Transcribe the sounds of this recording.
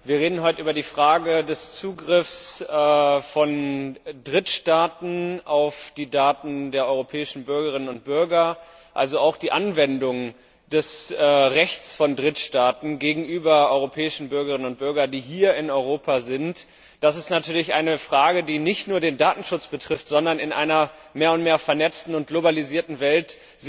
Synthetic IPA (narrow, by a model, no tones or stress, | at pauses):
viːɐʁeːdn̩ɦɔʏtəʔyːbɐdiːfʁ̥aːɡədɛst͡suːɡʁɪfsɛfɔndʁɪtʃtaːtn̩ʔaʊfd̥iːdaːtn̩deːɐʔɔʏʁopʰɛːɪʃn̩bʏɐɡəʁɪnənʊnt̚b̥ʏɐɡɐ | ʔalzoaʊxd̥iːʔanvɛndʊŋ | d̥ɛsɛːʁɛçt͡sfɔndʁɪtʃtaːtn̩ɡeːɡŋ̩ʔyːbɐɔʏʁopʰɛːɪʃn̩bʏɐɡəʁɪnənʊnt̚b̥ʏɐɡɐdiːɦiːɐɪnɔʏʁ̞oːpʰazɪnt | d̥asɪstnatʰyːɐlɪçʔa̰ɪnəfʁ̥aːɡədiːnɪçtnuːɐdeːndaːtn̩ʃʊt͡sb̥ətʁ̥ɪftz̥ɔndɐnɪnʔa̰ɪnɐ | meːɐʊntmeːɐfɛɐnɛt͡stn̩ʊnt̚ɡ̥lobaliziːɐtn̩vɛlt | z